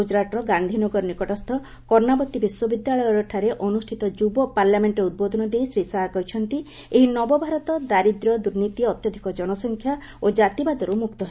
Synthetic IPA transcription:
ud͡ʒɾaʈɔɾɔɡand̪ʱinɔɡɔɾɔnikɔʈɔst̪ʰɔ | kɔɾnabɔt̪ibiswɔbid̪jaɭɔjɔɾɔʈʰaɾeʔɔnusʈʰit̪ɔd͡ʒubɔpaɾlameɳʈɔɾeud̪̚bod̪ʱɔnɔd̪eisɾisakɔɦit͡ʃʰɔnt̪i | eɦinɔbɔbʱaɾɔt̪ɔd̪aɾid̪ɾɔd̪uɾnit̪iɔt̪jɔd̪ʱikɔd͡ʒɔnɔsɔŋkʰja | od͡ʒat̪ibad̪ɔɾumukt̪ɔɦe

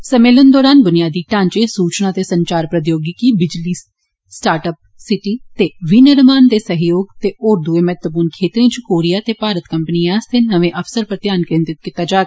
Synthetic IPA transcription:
səmeːlənd̪ɔːɾaːnbʊnɪjaːd̪iːʈãːɲt͡ʃeːsuːt͡ʃnaːt̪eːsəɲt͡ʃaːɾpɾət̪joːɡikiːbɪd͡ʒliː | sʈaːɾʈəp̚sɪʈiːt̪eːʋiːnəɾmaːnd̪eːsəɦjoːɡt̪eːoːɾd̪ueːmɛɦt̪wəpuːnkʰeːt̪ɾẽːt͡ʃkoːɾijaːt̪eːpaːɾət̪kəmpəniːaːst̪eːnəʋẽːʔəfʰsəɾpɾət̪ɪjaːnkɾɪ̃nt̪ɪt̪̚kɪt̪aːd͡ʒaːɡ

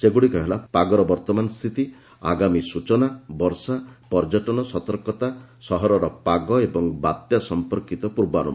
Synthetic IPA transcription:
seɡuɽikɔɦelapaɡɔɾɔbɔɾt̪ɔmanɔst̪ʰit̪i | a̰ɡamisut͡ʃɔnabɔɾsapɔɾd͡ʒɔʈɔnɔsɔt̪ɔɾkɔt̪asɔɦɔɾɔɾɔpaɡɔebɔŋbat̪jasɔmpɔɾkit̪ɔpuɾbanṵb

